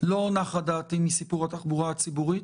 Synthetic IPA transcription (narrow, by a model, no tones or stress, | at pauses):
lo̞naχadaːt̪imisipuʁhat̪aχbuʁaat͡sibuʁi